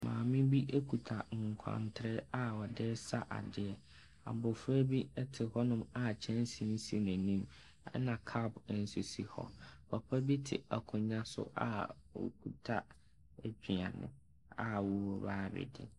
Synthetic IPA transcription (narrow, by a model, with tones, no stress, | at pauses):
mãː˨mɪ̃˦bi˦ʔe˦kʰu˨tʰa˨ŋ̩˨kʷʰã̰˨ntʰɪ˨ɾɪ˦a˦wɔ˨dɪ˦sa˦ʔa̰˨dɪ˨ɛ˨ | a˨bʊ˨fʊ˦æ˦bi˦ɛ˦tʰɪ˨hɔ˦nʊ̃˦ma˨t͡ɕʰɛ̃˦n˦sĩ˨n̩˦si˦næ̃˨nĩ˦m˨˦ | nã˨kʰa˦bn̩˦su˨si˦hɔ̰˦pʰa˨pʰa˦bi˦tʰɪ̰˨a˨kʰʊ̃˨ɲã˦sʊ̰˦ʔa̰˨wo̰˨kʰu˨tʰa˦ | æ˦d͡ʑᶣi˨ã˨nʊ̰̃˨ | a˨wʊ˦wɔ˨baː˦bɛ̰˨dɪ̰˨